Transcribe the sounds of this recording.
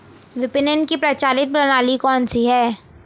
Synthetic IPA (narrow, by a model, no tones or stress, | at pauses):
ʋɪpɪnənkipɾɐt͡ʃaːlɪt̪̚bɐnaːlikɔːnsiɦɛː